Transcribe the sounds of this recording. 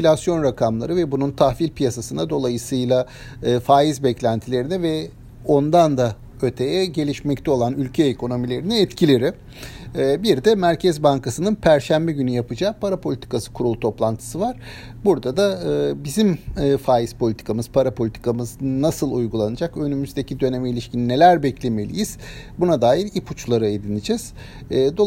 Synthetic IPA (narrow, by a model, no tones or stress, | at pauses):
ilʲasjo̞nɾakʰamlˠaɾɯvɛbununt̪ʰahfilʲpijasasɯnad̪o̞lˠajɯsɯjlˠa | ɯːfaːjizbɛclʲænt̪ʰilʲe̞ɾinɛvɛ | o̞nd̪and̪a | ø̞t̪ʰe̞jɛɟe̞lʲiʃmɛc̚t̪ʰɛo̞lˠanylʲcʰeːkʰo̞no̞milʲe̞ɾinɛɛt̪cʰilʲeɾɪ | biɾd̪ɛmæɾcʰɛzbaŋkasɯnɯnpʰæɾʃæmbɛɟynyjapɯd͡ʒaːpʰaɾapʰo̞lʲit̪ʰi̥kasɯ̥kʰuɾulˠt̪ʰo̞plˠant̪ʰɯ̥sɯvaɾ̥ | buɾd̪ad̪aːbizimːfaːjispʰolʲit̪ʰi̥kʰamɯz̥pʰaɾapʰo̞lʲit̪ʰi̥kʰamɯznasɯlˠujɡulˠanɯd͡ʒakø̞nymyzd̪e̞cʰid̪ø̞ne̞mɛilʲiʃcinine̞lʲæɾbɛclʲe̞me̞lʲḭjiz̥bunad̪aːjiɾipʰut͡ʃlˠaɾɯe̞d̪inid͡ʒɛz̥ː | d̪o